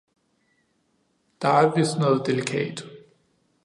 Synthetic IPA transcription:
d̥ɑæʋɪsnoð̩ˠd̥elikʰɛ̰ːd̥

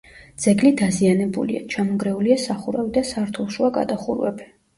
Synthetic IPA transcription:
d̪z̥ɛɡlid̪azianɛbṵlḭa̰t͡ʃʰamɔɡɾɛuliasaχuɾavid̪asaɾt̪ʰulˠʃuaɡa̰d̪aχṵɾwɛ̰bi

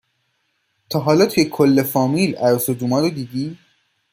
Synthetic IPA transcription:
t̪ʰɒːɦɒːlɒːt̪ʰujekʰolːe̞fɒːmiːlæɾsod͡ʒ̪uːmɒːɾod̪iːd̪iː

